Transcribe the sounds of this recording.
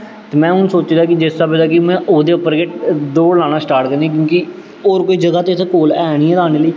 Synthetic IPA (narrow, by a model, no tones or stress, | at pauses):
t̪eːmɛ̃ːʊnsoːt͡ʃd̪aːkɪd͡ʒɪst̪aːbed̪aːkɪmɛ̃ːʔoːd̪eːʊpːəɾɡeːʈd̪oːlãːnaːsʈaːɾʈkəɾnẽːk̬jõːki | oːɾkoːiːd͡ʒəɡaːt̪eːt̪ʰkoːlɛːɽ̃iːɛːlaːñeːləiː